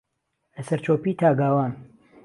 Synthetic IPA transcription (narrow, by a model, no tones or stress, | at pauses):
ɐsɐɾt͡ʃʰoːpiːt̪ʰaːɡaːwaːn